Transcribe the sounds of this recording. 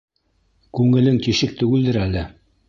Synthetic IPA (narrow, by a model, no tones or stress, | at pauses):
kʉŋɘ̆lɘŋt̪iʃɘk̚t̪ɵ̆ɡɘ̆ld̪ɘɾælɘ